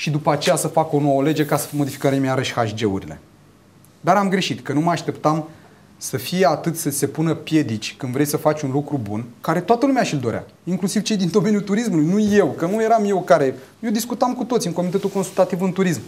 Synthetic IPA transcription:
ʃid̪upəat͡ʃe̞jasəfako̞no̞wəle̞d͡ʒekasə̥mo̞d̪ifi̥kəɾemeaɾəʃhaʃd͡ʒe̞ṵɾilḛ | d̪aɾamɡɾe̞ʃit̪kənuməaʃt̪e̞pt̪am | səfijeat̪ɨt̪səse̞punəpje̞d̪it͡ʃʲkɨnd̪vɾe̞jsəfat͡ʃʲunlukɾubṵnkaɾe̞t̪oat̪əlumeaʃild̪o̞ɾʔa̰ | iŋklusiv̥t͡ʃe̞jd̪ind̪o̞me̞nʲjut̪uɾis̬mulujnuje̞wkənuje̞ɾamje̞wkaɾe̞jed̪iskut̪amkut̪o̞t̪siɨŋko̞mit̪e̞t̪ulko̞nsult̪at̪ivɨnt̪uɾism

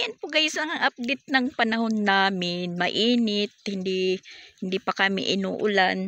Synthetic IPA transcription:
janpʊɡɐjʊsɐŋɐŋʔap̚d̪ɪt̪̚nɐŋpɐnɐɦonːaːmɪnmɐʔiːnɪt̪̚hɪnd̪ɪhɪnd̪ipɐkɐmɪ̰ʔɪnṵːʔʊlan

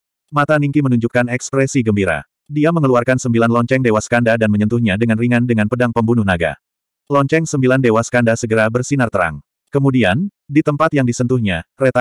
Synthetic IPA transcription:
mat̪aniŋkimənuɲd͡ʒukːanɛkspɾɛsiɡəmbiɾa̰ | diaməŋəluarkansəmbilanlɔɲt͡ʃɛŋdewaskandadanməɲənt̪uhɲadəŋanriŋandəŋanpədaŋpəmbunuhnaɡa̰ | lɔɲt͡ʃɛŋsəmbilandewaskandasəɡəɾabərsinart̪əɾa̰ŋ | kəmudian | dit̪əmpat̪jaŋdisənt̪uhɲaret̪a

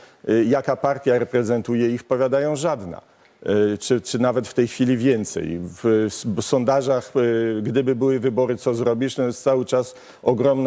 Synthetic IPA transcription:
jakapaɾt̪ʲjaɾɛpɾɛzɛnt̪ujɛifpɔvʲjad̪ajɔ̃w̃ʐad̪na̰ | t͡ʂɘt͡ʂɘnavɛt̪ft̪ɛjxfʲilʲivʲjɛnt̪sɛ̰jvsɔnd̪aʐaxɡd̪ɘbɘbɘwɘvɘbɔɾɘt̪sɔzɾɔbʲiʂt̪ɔjɛst̪sawɘt͡ʂas | ɔɡɾɔmn

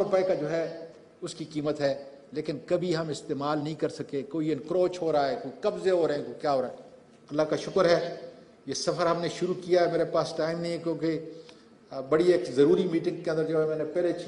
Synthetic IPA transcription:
ɾopaikad͡ʒoːɦɛː | ʊskikiːmət̪ɦɛː | leːkɪnkɐbʱiɦɐmɪst̪eːmaːlnɐɦĩkɐɾsɐkekoːiɪnkɾoːt͡ʃɦoːɾaaːɦɛːkoːikɐbzeɦoːɾɐɦẽkoikjaːɦoːɾaːɦɛ | ɐlːakaʃʊkəɾɦɛː | jeːsɐfəɾɦɐmneʃʊɾukijaɦɛmeːɾepaːsʈaːɪmnɐɦĩkjõːke | bɐɽieːkzɐɾuːɾimiːʈɪ̃ŋɡ̚keənd̪əɾd͡ʒoːɛmɛ̃ːnepɛːle

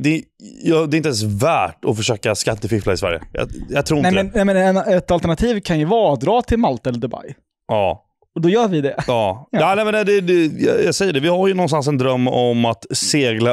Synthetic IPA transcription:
d̪ɛjɑd̪ɛːɪnt̪ɛns̬væːʈɔfœʂøːkaskat̪ːəfɪflaɪsvæ̰ɾjə̰jɑ̰jat̪ʰɾuːɾɪnɛmɛnɛmɛnɛnɛt̪alt̪ɛɳat̪ʰiːvkʰanjɵvɑːd̪ɾɑːt̪ʰɪlmalt̪aɛlːəɖ̪ɵba̰j | jɑː | ɔd̪ɔjœːɾvɪd̪ɛɑːaːnɛɪmɛnɛd̪ɛɛj̰jaɡsɛjːəɖɛvɪhaɾjɵnɔnst̪ansɛnd̪ɾœmːɔmat̪seːɡla

